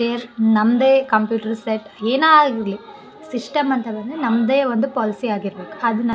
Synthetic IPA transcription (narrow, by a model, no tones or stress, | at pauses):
eɐɾnɐmːɐd̪eːkɐmpjuːʈɐɾseʈːeːnaːɡiɾli | siʂʈɐmɐnt̪ɐbɐɳɖenɐmːɐd̪eːʋond̪upɔːlisiaːɡiɾɐbeːku̥ɐd̪unɐ